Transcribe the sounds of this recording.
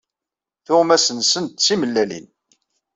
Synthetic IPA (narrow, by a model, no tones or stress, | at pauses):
θʊʁmæsənsənt̪t͡sːiməlːælḭn